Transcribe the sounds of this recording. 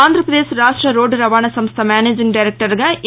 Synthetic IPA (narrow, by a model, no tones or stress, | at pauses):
aːnd̪ʱɾɐpɾɐd̪eːsɾaːʂʈɾɐɾoːɖɾɐʋaːɳɐsɐmst̪ʰɐmaːneːd͡ʒiŋɡɖɐjɾek̚ʈɐɾɡɐ